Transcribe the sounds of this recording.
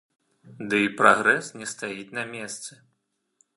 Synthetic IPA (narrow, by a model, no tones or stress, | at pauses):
d̪ɨipɾaɣɾɛsnʲɛst̪ajit͡sʲnɐmʲɛst̪sɨ